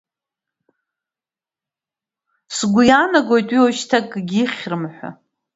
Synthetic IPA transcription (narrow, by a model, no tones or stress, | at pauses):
sɡʷʊjanaɡʷo̞jtʼɥioʃtʰakʼɡʲiχʲrɨmħʷa̰